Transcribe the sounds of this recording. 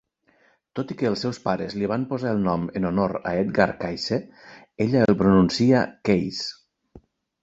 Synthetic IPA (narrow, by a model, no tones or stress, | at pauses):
t̪ot̪ikəːlˠsɛwspaɾəzliβ̞ampozaəlˠnɔmənonoɾa̰et̪ɡaɾkajse | eʎaəlˠpɾununsiakejs